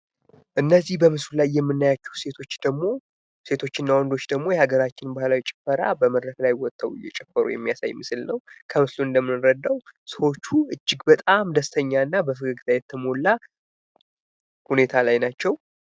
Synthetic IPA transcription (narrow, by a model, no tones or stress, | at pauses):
ʔɨnːəzːihbəmɨslulajːɛmːɨnːajat͡ʃːɛwse̞t̪ʰo̞t͡ʃːd̪̥əɡmo̞ | se̞t̪ʰo̞t͡ʃːɪɨnːawɔnd̪o̞t͡ʃːd̪əɡmo̞jɛhaɡəɾat͡ʃːɪnbahlawt͡ʃʼɪ̥fəɾa̰bəməd̪ɾək̪lajwɔt̪ʼʰːəwɨ̰jːɛ̰t͡ʃʼɛfːəɾṵjɛ̰mːijasa̰jmɨsɨlnəwkʰəmɨsluɨnd̪əmːɨnɾəd̪ːawsəwo̞t͡ʃːuɨd͡ʒːɪɡbət̪ʼamd̪əst̪ʰəɲːaɨnːabəfɨɡɨɡɨt̪ʰajɛt̪ʰːəmo̞lːa | hune̞t̪ʰalajnat͡ʃːɛw